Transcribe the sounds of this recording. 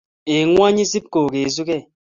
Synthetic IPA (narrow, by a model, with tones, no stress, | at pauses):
e˨ŋwa˦ɲi˦si˦p̚ko˨ke˨zu˦kɛ˦˨